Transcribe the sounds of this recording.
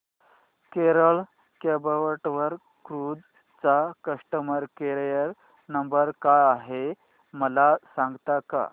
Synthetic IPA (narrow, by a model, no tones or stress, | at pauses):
keɾəɭ | kebəʋəʈʋəɾ | kkɾud͡z | t͡sakəʂʈəməɾkeɾjəɾ | nəmbəɾkajaɦe | məlasãŋɡt̪aka̰